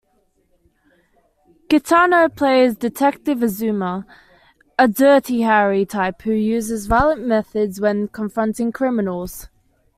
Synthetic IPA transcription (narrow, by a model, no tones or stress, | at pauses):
ɡ̥ɪtʰɑːnəʊpʰl̥eɪzdɪtʰɛk̚tɪvəzʉːmə | ədɜˑtʰiɦaɹitʰaɪphʉjʉːzɪzvaɪələ̃nmɛθədzwə̃nkʰə̃ɱfɹʌ̃ntɪ̃ŋkʰɹ̥ɪmɪnəlˠz̥